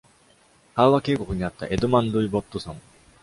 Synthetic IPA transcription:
haːβake̞ːko̞kɯ̟ɲ̟iat̪ːa̰ʔe̞d̪omãnd̪ɯ̟ibo̞t̪ːosõŋ

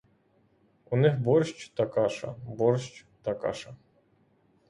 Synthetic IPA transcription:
unɪxbɔrʃt͡ʃt̪ɐkɑʃɐ̰bɔrʃt͡ʃ | t̪ɐkɑ̰ʃɐ

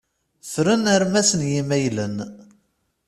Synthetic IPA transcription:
θɾənəɾmæsənjimæjlən

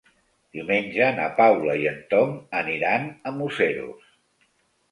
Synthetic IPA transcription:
d̪̥iumenʲd͡ʒəna̰pawləiənt̪oŋəniɾanəmuseɾṵs

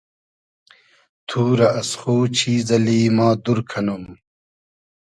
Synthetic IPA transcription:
t̪ʰuːɾɐʔɐsχoːt͡ɕʰiːzɐliːmaːd̪uɾkʰɐnum

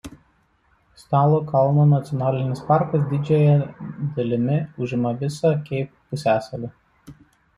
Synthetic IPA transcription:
sʲt̪ɑːlˠoːkɐlˠnonɐt̪sʲɔnɑːlʲɪnʲɪspɑˑɾkɐs̬d̪ʲɪd͡ʒʲɛjɛd̪ɐlʲɪmʲɪʊʒʲɪmɐʋʲɪsɑkʲɛɪp̚pʊsʲæːsɐlʲɪ

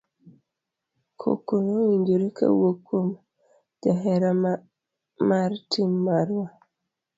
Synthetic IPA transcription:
kʰo̰konoiɲd͡ʒiɾikʰa̰wokom | d̥aɦeɾa | maɾtimːaɾwa

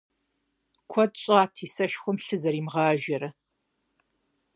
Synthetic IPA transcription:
kʷʰɔd̚ɕʼaːtʰiːsɐʃxʷɔmɬɨzɐɾiːmʁɑːʒɐɾɐ

